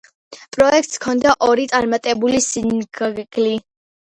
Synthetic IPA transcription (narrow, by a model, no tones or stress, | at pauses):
pʼɾɔɛk̚ʰt̪skʰɔnd̪aʔɔɾit̪sʼaɾmat̪ʼɛbulisinɡɡli